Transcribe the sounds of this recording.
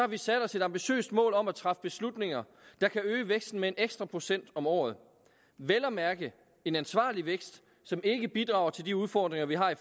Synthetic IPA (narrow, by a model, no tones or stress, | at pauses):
ɒhɑ̈ʋisæd̥ɒ̽se̝d̥ɑ̈mb̥iɕø̰ːsd̥mɔ̰ːlɒ̽mæt͡sʰʁɑ̈fə̥b̥e̝slud̥ne̝ŋɐ | d̥ɑ̈kʰæøːəʋeɡ̥sd̥n̩mee̝neɡ̥sd̥ʁɐpʰʁo̝sen̰d̥ɒ̽mɒ̰ːð̞̩ˠ | ʋelɐmæɐɡ̥ə | e̝nænsʋɑ̰̈ːliʋeɡ̥sd̥ | sɒ̽me̝ɡ̥əb̥id̥ʁɑ̈ʊɐt͡sʰe̝ld̥iuðˠfɒ̰ːd̥ʁeŋɐʋiɦɑ̈i